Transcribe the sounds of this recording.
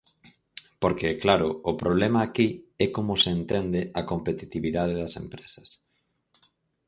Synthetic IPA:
poɾkeɛklaɾʊʊpɾoβlɛmɐːkiɛkomʊseːnt̪end̪ɪɐkompet̪it̪iβiðað̞eðɐsḛmpɾesɐ̥s

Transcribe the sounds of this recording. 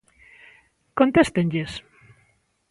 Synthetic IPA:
kont̪est̪enʎes

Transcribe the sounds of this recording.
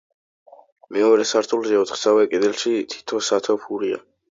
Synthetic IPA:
mɛɔɾɛsaɾt̪ʰulˠʒɛɔt̪ʰχsavɛkʼɛd̪ɛlʃit̪ʰi̥t̪ʰɔsat̪ʰɔpʰuɾia̰

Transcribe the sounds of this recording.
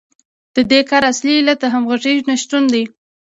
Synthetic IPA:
d̪̥əd̪ekɑɾasliːlat̪̚d̪əɦamɣaʐiʒnaʃt̪und̪aj

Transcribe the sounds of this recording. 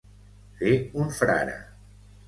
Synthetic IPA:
teuɱfɾa̰ɾə̰

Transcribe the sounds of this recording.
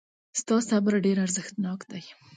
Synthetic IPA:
st̪ɑsabɾaɖeɾaɾzəxt̪nɑkd̪aj

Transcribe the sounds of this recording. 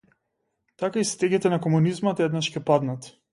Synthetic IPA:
t̪akaist̪ɛɡit̪ɛnakɔmunizmat̪ɛd̪naʃcʲɛpad̪nat̪

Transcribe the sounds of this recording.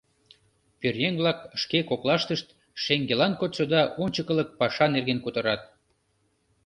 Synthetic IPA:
pyrjeŋβlɑkəʃkekoklɑʃt̪əʃt̪ | ʃeŋɡelɑnkot̪sod̪ɑʔonʲt͡ɕəkə̆lək̚pɑʃɑnerɣenkut̪ə̆ɾɑt̪̚

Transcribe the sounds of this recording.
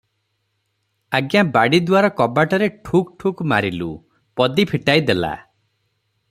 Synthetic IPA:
aɡjabaɽid̪waɾɔkɔbaʈɔɾeʈʰuk̚ʈʰukma̰ɾilṵ | pɔd̪ipʰiʈajd̪ela̰

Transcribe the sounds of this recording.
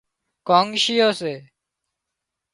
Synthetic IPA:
kõːŋʃijoːseː

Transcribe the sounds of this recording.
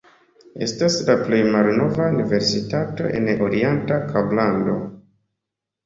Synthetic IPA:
e̞̰staslaple̞jmalno̞vaunive̞ɾsitato̞̰ʔe̞̰noɾientakʰablando̞

